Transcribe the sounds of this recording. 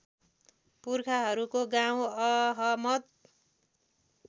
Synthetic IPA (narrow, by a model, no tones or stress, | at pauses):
purkʰaɦʌɾukoɡaw̃ʌɦʌmʌd̪̚